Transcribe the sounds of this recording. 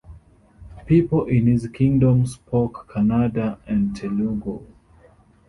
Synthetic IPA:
pipɔlʔĩnhizkʰĩŋdɔ̃mspʰokʰːanadaɛ̃ntʰɛluɡo

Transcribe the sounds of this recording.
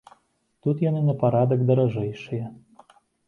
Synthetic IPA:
t̪ut̪janɨnɐpaɾad̪ɐkd̪ɐɾaʐɛjʂɨjɛ

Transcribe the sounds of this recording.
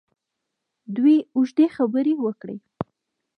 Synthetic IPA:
d̪wiʊʒd̪exabəɾewəkɽḛ

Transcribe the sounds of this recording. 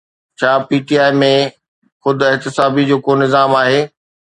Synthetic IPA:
t͡ɕʰaːpiːʈiːaːɪmẽ | xʊd̪ʱʊɪɦt̪ɪsaːbid͡ʑoːkonɪzaːmaːɦeː

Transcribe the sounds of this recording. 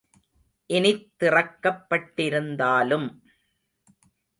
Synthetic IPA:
ʔɪnɪt̪ːɪrɐkːɐpːɐʈːɪɾɯnd̪aːlɯm

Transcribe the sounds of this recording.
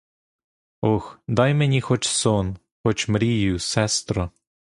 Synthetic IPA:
ɔxd̪ɑjmenʲixɔt͡ʃsɔn | xɔt͡ʃmɾʲijʊsɛst̪ɾɔ

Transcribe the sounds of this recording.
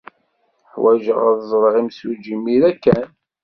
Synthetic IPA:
ħwæʒəʁæðzˤɾˤʁimsud͡ʒimiɾækːæn

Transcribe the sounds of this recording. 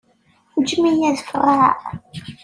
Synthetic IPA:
ud͡ʒmijæðfərːa̰

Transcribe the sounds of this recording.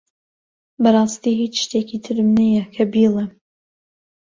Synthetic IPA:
bɐrˤɑːst̪iːɦiːt͡ʃʃt̪ekit̪ʰɨɾɨmnɐjɛkʰɐbilˠɛ

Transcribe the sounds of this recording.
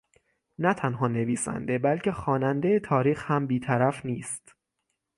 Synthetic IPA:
næt̪ʰænɦɒːne̞viːsæ̰nd̪e̞bælcʰe̞xɒːnænd̪e̞jet̪ʰɒːɾiːxhæmbiːt̪ʰæɾæfniːst̪

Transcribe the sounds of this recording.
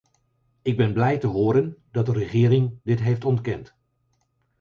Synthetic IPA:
ɪɡ̚bɛnblɛjtəɦʊːɾəndɑt̚dərəχɪːɾɪŋdɪtɦejftɔntkɛnt

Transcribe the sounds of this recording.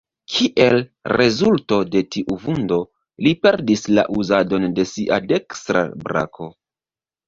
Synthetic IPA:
kʰiʔe̞lɾe̞zulto̞de̞tiʔuvundo̞ | lipe̞ɾdisla̰ʔuzado̞nde̞siʔa̰de̞kstɾa̰bɾa̰kʰo̞

